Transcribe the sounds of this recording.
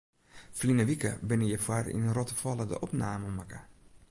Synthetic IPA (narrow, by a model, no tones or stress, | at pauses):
flinəʋikə̰bɪnəjəfwarḭnrɔtəfɔlədə̰ʔɔpnaːməmakə